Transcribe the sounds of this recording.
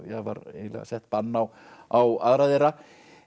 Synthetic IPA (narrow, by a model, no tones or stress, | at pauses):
jɛva̰ɾḛjlɛ̰ɣa̰sɛht̪panːaw | awaðɾaðɪɾa